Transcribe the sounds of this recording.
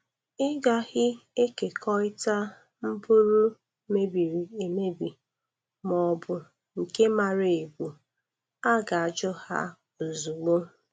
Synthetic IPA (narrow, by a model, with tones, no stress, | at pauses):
ɪ˦ɡa˨ɣɪ˦e˦ke˨kɔ˦ɪ˦ta˦ | m̩˦bu˦ɾu˦ | me˦bi˨ɾi˨e˨me˦bi˨ | mɔ˨bʊ˨ | ŋ̩˨ke˦ma˨ɾe˨ɡʷu˨ | a˦ɡa˨a˨d͡ʒɔ˦ha̰˦˨ | zu˨ɡ͡bo˦